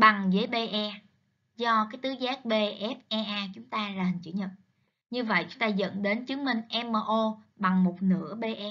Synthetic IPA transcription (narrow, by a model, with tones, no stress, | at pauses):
ɓa˨˩ŋzə˨˦jɓe˧ʔɛ˧ | zɔ˧kaː˨˦jt̪ɨ˨˦zaː˦˥k̚ɓe˧ʔɛ˦˥p̚ʔɛ˧ʔaː˧t͡ɕʊ˨˦ŋ͡mt̪aː˧lə˨˩t͡ɕɨ̰˧˩ɲə̰˨n | ɲɨ˧və̰˧˨jt͡ɕʊ˦ŋ͡mt̪aː˧zə̰˧˨nɗe˨˦nt͡ɕɨ˨˦əŋmï˧˩ŋ̟ʔɛ˧məː˧ʔo˧ɓa˨˩ŋmo˨˩t̚nɨ̰˧˥əɓe˧ʔɛ˦˥